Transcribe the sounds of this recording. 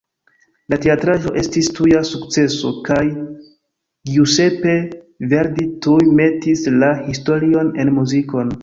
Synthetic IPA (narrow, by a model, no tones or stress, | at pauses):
late̞atɾaʒo̞ʔe̞stistujasukt͡se̞so̞̰kaj | ɡiuse̞pe̞ | ve̞ɾditujme̞tislahisto̞ɾio̞ne̞nmuziko̞n